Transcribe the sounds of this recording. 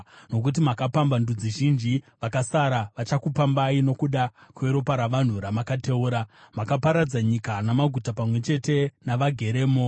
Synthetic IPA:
no̞k̬ut̬imakapambandud͡ziʒind͡ʒiʋakasaɾaʋat͡ʃakupambaino̞kuɗakue̞ɾo̞paɾaʋan̤uɾamakate̞uːɾamakapaɾad͡zaɲikanamaɡʱutapamwe̞t͡ʃe̞te̞naʋaɡʱe̞ɾe̞ːmo

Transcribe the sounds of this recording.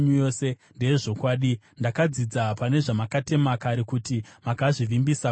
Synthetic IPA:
ɲujoːse̞ | nde̞eʐo̞kwaːɗi | ndakad͡zid͡zapane̞ʐamakate̞makaɾekutimakaʐiʋimbisa

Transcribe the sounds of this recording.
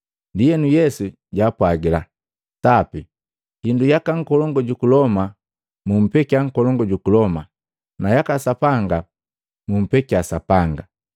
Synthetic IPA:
ndijɛnujɛsu | ɟaːpwaɡila | tapi | hindujakaŋ̩kɔlɔŋɡɔɟukulɔma | mum̩pɛkiaŋ̩kɔlɔŋɡɔɟukulɔma | najakasapaŋɡa | mum̩pɛkiasapaŋɡa

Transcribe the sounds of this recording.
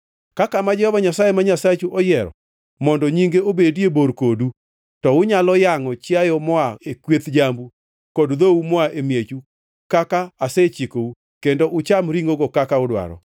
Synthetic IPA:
kakamad͡ʒɛhɔbaɲasajemaɲasat͡ʃuʔɔjɛɾɔ̰ | mɔndɔɲiŋɡeobedieboɾkodu | tɔʊɲalɔjaŋɔt͡ʃɪajɔmɔaekwet̪d͡ʒambu | kɔdðoumɔaʔemjet͡ʃu | kakaːset͡ʃikou | kendoʔʊt͡ʃamɾiŋɡoɡokakaʊdwa̰ɾɔ̰

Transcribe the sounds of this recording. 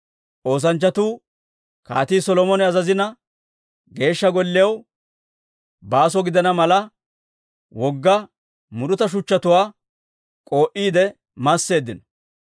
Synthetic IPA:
ʔo̞ːs̬ɐnt͡ʃːɐt̪uː | ka̰ːt̪iːsɔlɔmɔnɛɐzɐzɪnɐ | ɡe̞ːʃːɐɡɔlːɪjɐw | baːs̬ɔɡɪd̪ɐnɐmɐlɐ | wɔɡːɐ | mʊɾʊt̪ɐʃ̬ʊt͡ʃːɐt̪ʊwaː | kʼo̞ːʔiːd̪ɛ | mɐsːe̞ːd̪ːɪnɔ̥

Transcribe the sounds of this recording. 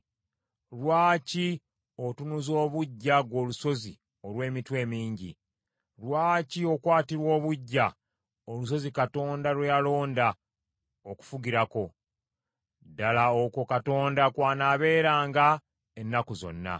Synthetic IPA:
ɾwaːci | o̞tunuzo̞ːβuɟːaɡwo̞ːluso̞zi | o̞lwe̞ːmitwe̞ːmiːɲɟḭ | ɾwaːcio̞kwaːtiɾwo̞ːβuɟːa | olus̬o̞zikato̞ːndalwejalo̞ːnda | oku̥fuɡiɾako̞ | dalaoko̞kato̞ːndakwaːnaːβe̞ːɾaːŋɡa | enːakuzo̞̰nːa̰

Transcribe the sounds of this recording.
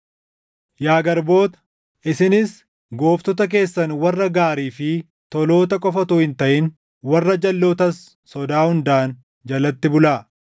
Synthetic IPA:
jaːɡɐɾbo̞ːt̪ɐ̥ | ʔɪsɪnɪs | ɡo̞ːft̪ɔt̪̬ɐk̬e̞ːsːɐnwɐrːɐɡaːɾiːfɪ | t̪ɔlo̞ːt̪ɐkʼɔfɐt̪uːhɪnt̪ɐʔɪn | wɐrːɐd͡ʒɐlːoːt̪ɐsː | ɔd̪aːhʊnd̪aːn | d͡ʒɐlɐt̪ːɪbʊlaː

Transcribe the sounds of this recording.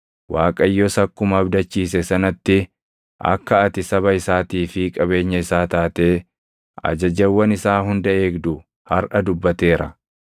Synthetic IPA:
waːkʼɐjːɔsɐkːʊmɐbd̪ɐt͡ʃːiːs̬ɛsɐnɐt̪ːɪ | ʔɐ̰kːɐːt̪ɪsɐβɐɪsaːt̪iːfɪkʼɐbe̞ːɲːɐɪsaːt̪aːt̪eː | ɐ̰d͡ʒɐd͡ʒɐwːɐnɪsaːɦʊnd̪ɐʔe̞ːɡd̪ʊ | hɐɾʔɐd̪ʊbːɐt̪e̞ːɾɐ

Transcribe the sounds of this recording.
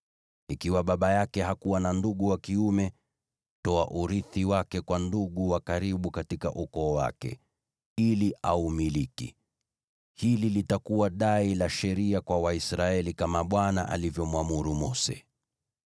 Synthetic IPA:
ikiwaɓaɓajakɛhakuwananduɠuwakiumɛ | tɔaʔuɾiθiwakɛkwanduɠuwakaɾiɓukatikaʔukɔːwa̰kɛ̰ | iliʔaumilikḭ | hililitakuwaɗailaʃɛɾiakwawaisɾaɛlikamaɓwanaʔa̰livjɔmwamuɾumɔsɛ̰

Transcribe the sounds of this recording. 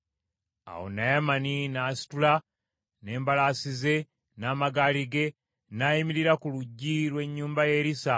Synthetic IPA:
a̰wo̰najamaninaːsi̥tula | ne̞ːmbalaːsize̞ | naːmaɡaːliɡe̞ | najimiɾiɾakuluɟːilwe̞ɲːuːmbaje̞ːɾisa

